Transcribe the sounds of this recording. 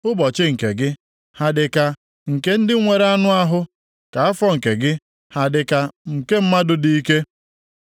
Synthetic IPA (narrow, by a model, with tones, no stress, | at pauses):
ʊ˦bɔ˨t͡ʃɪ˦ŋ̩˨kḛ˨ɡɪ˦ | ha˨dɪ˨ka˦ | ŋ̩˨ke˦n̩˦dɪ˦ŋʷe˨ɾa˦nʊ˦a˦ɦʊ˦ | ka˨a˦fɔ˦ŋ̩˨ke˨ɡɪ˦ | ha˨dɪ˨ka˦ŋ̩˨ke˦m̩˦ma˦dʊ˨di˦i˦ke˦